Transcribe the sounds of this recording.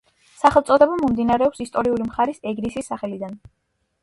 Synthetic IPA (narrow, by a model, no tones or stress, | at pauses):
saχɛlˠt̪sʼɔd̪ɛbamɔmd̪inaɾɛɔpsist̪ʼɔɾiulimχaɾisɛɡɾisisːaχɛlid̪an